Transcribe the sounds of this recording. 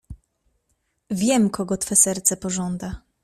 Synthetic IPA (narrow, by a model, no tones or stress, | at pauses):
vʲjɛmkɔɡɔt̪fɛsɛɾt̪sɛpɔʐɔnd̪a